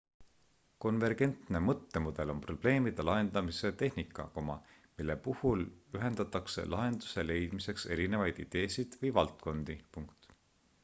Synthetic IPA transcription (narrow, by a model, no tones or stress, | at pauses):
ko̞nve̞rɡ̥e̞nt̪ne̞mɤt̪ːe̞mud̪̥e̞lo̞mpro̞b̥le̞ːmid̪̥elɑɦe̞nd̪̥ɑmise̞t̪e̞hnikːˑɑ̰komɑ | milːe̞puhulyɦe̞nd̪̥ɑt̪ːˑɑkse̞̰lʔɑɦe̞nd̪use̞le̞jd̪̥mise̞kse̞ɾine̞vɑjd̪̥id̪̥e̞ːsid̪̥vɤjvɑlt̪ko̞nd̪̥ipuŋkt̪ˑ